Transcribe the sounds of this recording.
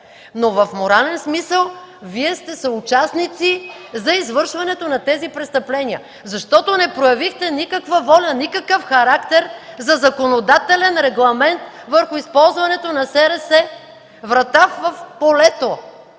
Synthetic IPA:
novɐfmoɾalɛnsmisəlˠ | viɛst̪ɛsɐʊt͡ʃasnit̪si | zɐizvɤɾʃvɐnɛt̪onɐt̪ɛzipɾɛst̪ɐplɛniə | zɐʃt̪ɔt̪onɛpɾojɐvixt̪ɛnikɐkvəvɔlʲənikəkəfxɐɾakt̪ɛɾzɐzɐkonod̪at̪ɛlɛnɾɛɡlˠɐmɛnt̪ | vəɾxʊispɔlˠzvɐnɛt̪onɐsɛɾɛsɛ | vɾɐt̪avɐfpolɛt̪o

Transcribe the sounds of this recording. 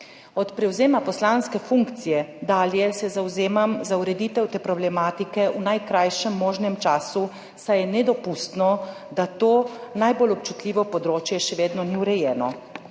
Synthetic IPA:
ɔt̪pɾɛwzeːmapɔslaːnskɛfuŋkt̪sijɛd̪aːljɛsɛzawzeːmamzauɾɛd̪iːt̪ɛwt̪eːpɾɔblɛmaːt̪ikɛʔunajkɾajʃɛmːoːʒnɛmt͡ʃaːsu | sajɛnɛd̪ɔpust̪nɔ | d̪at̪oːnajbolɔp̚t͡ʃut̪lʲiːʋɔpɔd̪ɾoːt͡ʃjɛʃɛʋeːd̪nɔniwɾɛjɛːnɔ

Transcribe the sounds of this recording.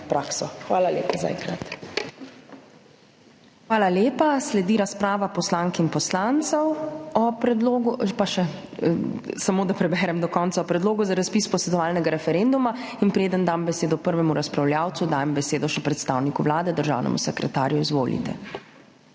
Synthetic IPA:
pɾaːksɔxʋaːlalḛːpaza̰ɛ̰ŋkɾat̪ | xʋaːlaljeːpaslɛd̪iɾaspɾaːʋapɔslaŋkinpɔslant̪sɔwɔpɾɛd̪loɡpaʃɛ | samoːd̪apɾɛbɛɾɛmd̪ɔkɔntsaɔpɾɛd̪loːɡɔzaɾaspispɔsɛd̪ɔʋaːlnɛɡaɾɛfɛɾend̪umainpɾeːd̪ənd̪ambɛseːd̪ɔpəɾʋɛmuɾaspɾawljaːwt̪sud̪aːjɛmbɛseːd̪ɔʃɛpɾɛt̪st̪aːwnikuʋlaːd̪ɛd̪əɾʒa̰ːwnʔɛ̰mṵsɛkɾɛt̪a̰ːɾjuizʋo̰ːlḭt̪ɛ̰

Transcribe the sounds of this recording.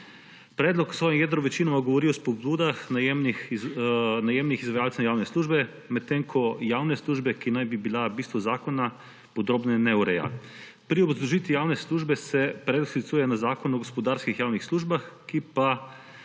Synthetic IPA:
pɾeːd̪lɔksʋoːjimjɛd̪ɾɔʋɛt͡ʃinamaɡoʋoɾiɔspobuːd̪axnajemnixznajemnixizʋajaːlsnajaːwnesluːʒbɛ | mɛt̪ːeŋkʰɔjaːwnesluːʒbɛkinajbibilabiːst̪ʋozaːkona | pod̪ɾoːbnɛnɛuɾɛja̰ | pɾiobzd̪uʒiːt̪ʋijawnɛsluːʒbɛsɛpɾed̪sit̪suːjɛnazaːkonuɔɡospɔd̪aɾskixjaːwnixsluːʒbaxkipa

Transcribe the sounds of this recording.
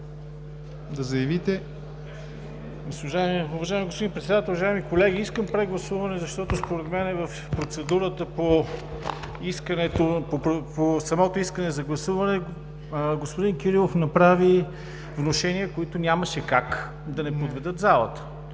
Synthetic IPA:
d̪ɐzɐjɐvit̪ɛ | ɡosʒaɛmʊvɐʒaimiɡospod̪inpɾɛt̪sɛd̪at̪lˠuvɐʒaɛmikolɛɡiiskəmpɾɛɡlˠɐsuvɐnɛzɐʃt̪ɔt̪ospoɾɛt̪mɛnɛvɐf | pɾot̪sɛd̪uɾət̪əpo | iskənɛt̪opoɾoposɐmɔt̪oiskənɛzɐɡlˠɐsuvɐnɛ | ɡospoʊd̪inkʲiɾilˠofnɐpɾavi | vnoʃɛniəkoit̪ʊnʲaməʃɛkak | d̪ɐnɛpovɛd̪ɤt̪zalˠə̰t̪ə̥

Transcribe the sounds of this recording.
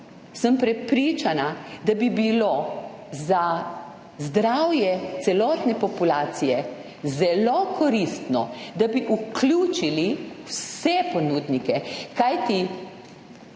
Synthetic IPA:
səmpɾɛpɾiːt͡ʃanad̪abibilo | za | zd̪ɾawjɛt̪sɛlɔːt̪nɛpɔpulaːt̪sijɛ | zɛlokʰɔɾist̪nɔd̪abiʔukluːt͡ʃiliwsɛponud̪nikɛkajt̪i

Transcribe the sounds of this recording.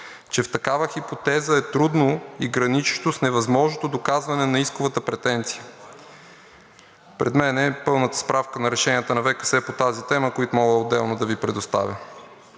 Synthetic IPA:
t͡ʃɛft̪ɐkavəxipot̪ɛzəɛt̪ɾud̪noiɡɾɐnit͡ʃʃt̪osnɛvɐzmɔʒnot̪od̪okazvɐnɛnɐiskovət̪əpɾɛt̪ɛnt̪si̥jə | pɾɛ̰d̪mɛnɛpɤlˠnət̪ə̥spɾafkənɐɾɛʃɛniət̪ənɐvɛkə̥sɛpot̪azit̪ɛməkoit̪ʊmɔɡəod̪ːɛlˠnod̪ɐvipɾɛd̪ost̪a̰vʲə

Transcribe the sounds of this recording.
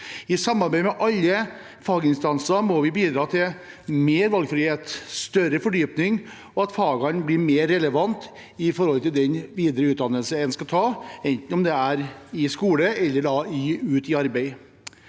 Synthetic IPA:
ɪsɑmːɑɾbæɪmɛʔɑlːə | fɑːɡɪnst̪ɑnsəmɔʋɪbiːd̪ɾɑːt̪ʰɪl | meːɾʋɑlɡfɾɪheːt̪st̪œɾəfɔɖyːpnɪŋ | ɔɑt̪fɑːɡɑnblɪɾmeːɾːɛləʋɑnt̪ | ɪfɔɾhɔlt̪ɪld̪ɛnʋiːd̪əɾəʉːt̪̚d̪ɑnːəlsəɛnskɑt̪ʰɑːɛnt̪n̩ɔmd̪ɛæɾɪskuːləɛlːəɖɑɪʉːt̪ɪɑɾbæɪ

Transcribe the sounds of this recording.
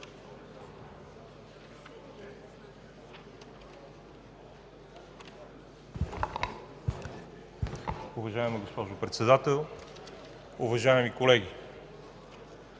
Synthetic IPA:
ʊvɐʒaɛmɛɡospɔʒʊpɾɛt̪sɛd̪at̪ɛlˠ | ʊvɐʒaɛmikolɛɡ̟ʲi

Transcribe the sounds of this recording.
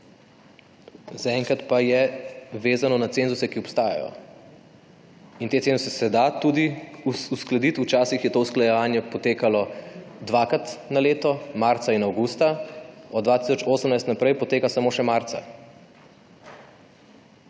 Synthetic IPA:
zaɛŋkɾat̪pajɛʋeːzanɔnat̪seːnzusɛkiɔpst̪aːja̰jɔ̰ | int̪et̪seːnzusɛsɛd̪at̪ud̪iuusklad̪it̪ut͡ʃaːsixjɛt̪oːusklajɛʋaːnjɛpɔt̪eːkalɔd̪ʋakɾat̪naleːt̪ɔmaɾt̪sainawɡuːst̪aɔd̪d̪ʋat̪isɔt͡ʃoːsəmnajst̪napɾɛjpɔt̪eːkasamoːʃɛmaɾt̪sa̰

